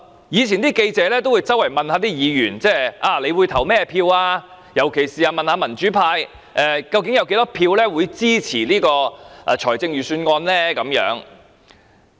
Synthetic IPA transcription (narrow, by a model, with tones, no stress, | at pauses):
jiː˨˧t͡sʰiː˨˩nt̪iː˥ke˧jt͡sɛː˨˧lɛː˥t̪o˥wu˧jt͡sɐ˥wɐ˨˩jmɐ˨nhaː˨˧t̪iː˥jiː˨˧jyː˨˩nt͡sɛː˥ʔaː˧˩le˨˧jwuː˨˧jt̪ʰɐ˨˩wmɛː˥pʰiː˧waː˧ | jɐ˨˩wkʰe˨˩jsiː˨aː˧mɐ˨nhaː˨˧˥mɐ˨˩nt͡ʃyː˨˥pʰaː˧j | ʔɛː˨kɐ˧wkɪ˨˥ŋjɐ˨˧wke˨˧˥jt̪ɔː˥pʰiː˧wlɛː˥wuː˨˧jt͡siː˥t͡sʰiː˨˩liː˥kɔː˧ʔaː˨˧t͡ʃʰɔː˨˩jt͡sɪ˧ŋjyː˨syː˧nŋɔː˧nlɛː˥kɐ˨˥mjœ̰ː˨˥ŋ